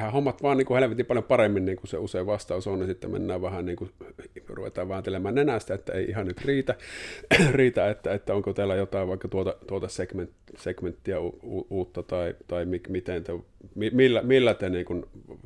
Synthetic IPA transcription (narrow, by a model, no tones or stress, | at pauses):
hæhomːɑt̪ʋɑːnniːŋkuheleʋet̪ipɑljompɑremːinniːŋkusḛuseiʋʋɑst̪ɑˑusonisit̪ːæmḛnːæːʋʋæhænniːŋkuruʋḛt̪ˑɑːʋʋæhænt̪elemæːnnenæst̪æet̪ːæ̰ḛˑiʔihɑnnyt̪riːt̪æ | riːt̪æet̪ːæet̪ːæoŋkot̪æːlːæjot̪ɑˑiʋʋɑˑikːɑt̪uot̪ɑt̪uot̪ɑsekmentsekment̪ːiæuuːuːt̪ːɑt̪ɑit̪ɑimikmit̪ent̪ømimilːæmilːæt̪eniːŋkun